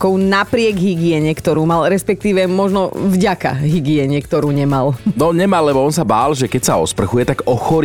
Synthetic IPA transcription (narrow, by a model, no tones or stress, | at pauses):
kɔʊnapɾɪɛɡɦiɡɪɛɲɛkt̪ɔɾuːmalɾɛspɛk̚t̪iːʋɛmɔʒnɔvɟaka̰ɦiɡɪɛɲɛkt̪ɔɾuːɲɛmalnɔɲɛmalːɛbɔɔnsabaːlʒɛkɛcsaɔ̰spr̩xujɛt̪aɡɔxɔɾ